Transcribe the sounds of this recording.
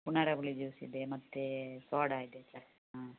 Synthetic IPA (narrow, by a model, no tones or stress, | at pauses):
punaɽɐbɐɭid͡ʒuːsḭd̪emɐt̪ːesoːɖaːjid̪et͡ʃɐ | ɦa